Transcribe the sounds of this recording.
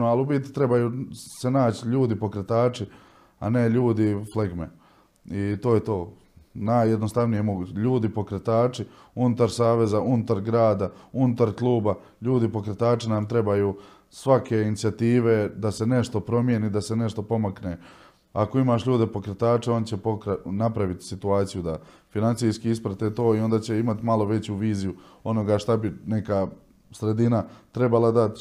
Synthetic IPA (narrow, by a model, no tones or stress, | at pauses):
oalubit̪i̥t̪ɾe̞bajuːse̞naːt͡ɕiʎuːd̪ipo̞kɾe̞t̪aːt͡ʃi | a̰ne̞ʎuːd̪ifleɡmḛ | it̪o̞ːjet̪o̞ː | najːed̪no̞st̪aʋnijemo̞ɡuːt͡ɕeʎuːd̪ipo̞kɾet̪aːt͡ʃi | unut̪aɾsaːʋe̞zaunut̪aɾɡɾaːd̪aunut̪aɾklˠuːba | ʎuːd̪ipo̞kɾet̪aːt͡ʃinamt̪ɾe̞bajuː | sʋakʰe̞init̪sijat̪iːʋe̞d̪ase̞ne̞ʃt̪o̞pɾo̞mje̞nid̪asene̞ʃt̪o̞po̞makne | ako̞imaːʃʎuːd̪e̞po̞kɾet̪aːt͡ʃeo̞nt͡ɕepokɾanapɾaʋit̪i̥sit̪uaːt̪sijud̪a | finantsiːskiispɾat̪et̪o̞ːio̞nd̪aːt͡ɕe̞imat̪imalˠo̞ʋe̞t͡ɕuʋiːziju | o̞no̞ɡaʃt̪abine̞ka | sɾe̞d̪inat̪ɾe̞balˠad̪at̪